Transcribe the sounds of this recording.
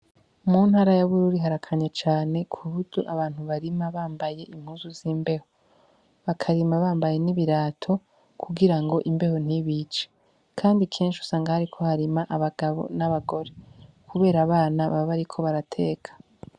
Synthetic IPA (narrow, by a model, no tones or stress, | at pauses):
muːnhaːɾajaβuɾuɾiɦaɾakʰaɲat͡ʃaːne̞kʰuβuduʔaβaːn̥huβaɾimaβaːmbaje̞ʔim̥huːzuziːmbe̞ho | βakʰaɾimaβaːmbaje̞niβiɾaːtʰo̞ | kʰuɡiɾaŋɡo̞ʔimbe̞ho̞n̥hiβit͡ʃe̥ | kʰaːndikʰe̞ːnʃu̥saːŋɡahaɾikʰo̞haɾimaʔaβaɡaβo̞̰naβaɡo̞ɾe̞ | kʰuβe̞ːɾaːβaːnaβa̰βaɾikʰo̞βaɾatʰe̞ːkʰḁ